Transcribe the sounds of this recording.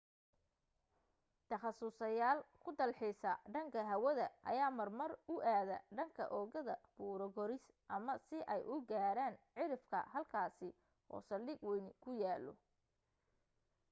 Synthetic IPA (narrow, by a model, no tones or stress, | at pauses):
t̪ʰɐχɑsʊsɐjaːlkʰʊd̪ɐlħɪsɐɖɐŋkʰɐɦɐwɐðɐʔɐ̰jaːmɐrmɐrʊʔaːðɐɖɐŋkʰɐ̰ʔɔːɣɐðɐb̥uːɾɔɡɔɾɪs | ʔɐmɐsɪʔɛjʔʊɡaːɾaːnʕɪɾɪfkʰɐ̰hɐlkʰaːsɪ | ʔɔ̰ːsɐlːɪɡwɛnkʰʊjaːlɔ̰